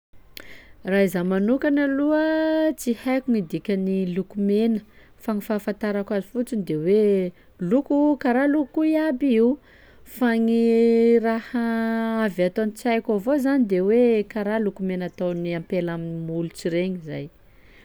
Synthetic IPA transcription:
raizamanukanaluət͡sihajkuŋid̪ikʲənilukumenə | faŋifafant̪aɾakʷazi̥fut͡sind̪ewe | lukukaɾalukkuiabiiw | faŋirahaavat̪onit͡sajkavozanid̪ewekaɾalukumenat̪oniampelaminimulut͡siɾeɲiza̰j

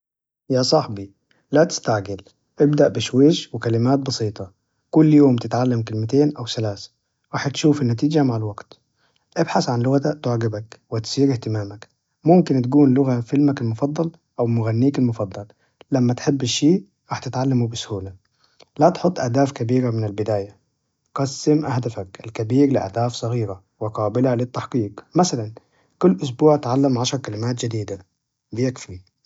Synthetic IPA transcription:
jaːsˤɑħbi | lat̪ɪ̥st̪aʕɡɪl | ʔɪbd̪aʔbɪʃweːʃwɪkalɪmaːt̪̚bɑsˤiːt̪ˤɑ | kʊlːjoːmt̪ɪt̪ʕalːamkɪlmɪt̪eːnʔawsalaːsḁ | ɾɑːħt̪ʃuːfɪnːæt̪iːd͡ʒamaʕalwaɡt̪ | ʔɪbħasʕanlʊɣat̪aʔt̪ʊʕɡɪbakwɪt̪siːɾɪht̪ɪmaːmak | mʊmkɪnt̪ɡuːnlʊɣafɪlmækɪlmʊfɑd̪ˤːɑl | ʔawmʊɣanːiːkɪlmʊfɑd̪ˤːɑlː | amːat̪ħɪbːɪʃːiː | ɾɑːħt̪ɪt̪ʕalːamubɪsʊhuːla | lat̪ħʊt̪ˤːʔahd̪aːfkabiːɾamɪnɪlbɪd̪aːja | qɑsːɪmʔahd̪afakʔɪlkabiːɾlɪʔa̰hd̪aːfsˤɑɣiːɾa | wɪqɑːbɪlalɪt̪ːaħqiːqmasalan | kʊlːʔʊs̬buːʕt̪ʕalːamʕaʃɑɾˤkalɪmaːt̪̬d͡ʒɪd̪iːd̪a | bɪjakfɪlm

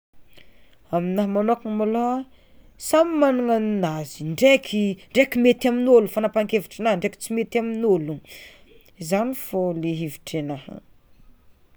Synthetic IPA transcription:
aminaɦmanokiŋmaloa | samimanaŋannaziɳɖ͡ʐekʲʰiɳɖ͡ʐekimet̪aminolufanapaŋkeviʈ͡ʂinaɳɖ͡ʐeki̥t͡simet̪aminolu | izanifoleɦiviʈ͡ʂenah

